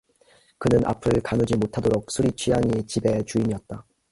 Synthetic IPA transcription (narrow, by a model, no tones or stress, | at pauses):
kɯnɯnʔa̰pʰɯɭkanud͡ʑimotʰadoɾok̚s͈ʰuɾit͡ɕʰijaŋit͡ɕibe̞t͡ɕuiɲiʌt̚t͈a